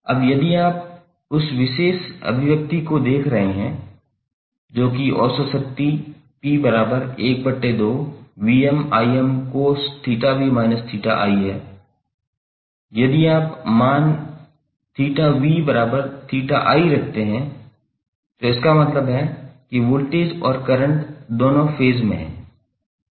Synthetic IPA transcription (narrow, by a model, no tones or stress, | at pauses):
ɐ̰bjɐd̪iaːp̚ | ʊsʋɪʃeːʃɐ̰bʱɪʋjək̚t̪ikod̪eːkʰɾɐɦeɦɛ̃ | d͡ʒoːkiʔɔ̰ːsəsək̚t̪i | piːbɐɾaːbəɾeːk̚bɐʈːed̪oːʋiːɛmaːiɛmkost̪ʰiːʈaʋimaːnəst̪ʰiːʈa̰ʔa̰ːiɦɛː | jɐd̪iaːpmaːn | t̪ʰiːʈaʋibɐɾaːbəɾt̪ʰiːʈaʔaːiɾɐk̚ʰt̪eɦɛ̃ | t̪oɪskamɐt̪ləbɦɛkiʋʊlʈeːd͡ʒɔːɾkɐɾə̃ɳʈd̪oːnõfʰeːzmẽɦɛ̰̃ː